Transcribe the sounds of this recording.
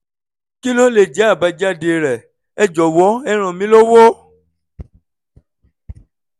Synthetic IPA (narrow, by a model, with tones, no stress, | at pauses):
ki˦lo˦le˨d͡ʒɛ˨˦a˦˨ba˧d͡ʒa˦˨de˧˨ɾɛ˨ | ɛ˦d͡ʒɔ˨wɔ˨˦ɛ˦ɾ̃ã˨mĩ˨˦lo˦wo˦